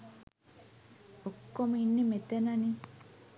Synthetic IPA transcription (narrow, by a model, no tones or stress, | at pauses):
okːominːemet̪enani